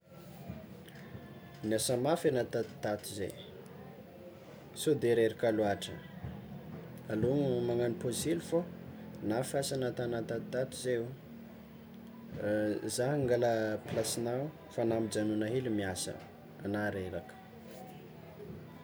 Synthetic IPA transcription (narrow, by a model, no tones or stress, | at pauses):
niasamafenat̪at̪i̥t̪at̪uzḛ | sod̪eɾeɾikaluaʈ͡ʂə | alumaŋaniposilufonafiasanat̪anat̪at̪t̪at̪izeu | zaɦaŋɡaləplasinaw | fanamid͡ʒanunaɦelimiasə̰ | a̰naɾeɾakə̥